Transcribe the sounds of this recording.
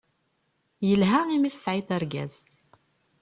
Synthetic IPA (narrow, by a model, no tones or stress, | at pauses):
jəlɦæimiθə̥sʕiθæɾɡæ̰z̥